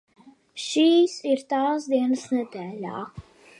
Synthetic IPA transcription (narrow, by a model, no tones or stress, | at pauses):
ʃiːsiɾt̪aːzd̪iɛnəsnəd̪ɛːlʲa̰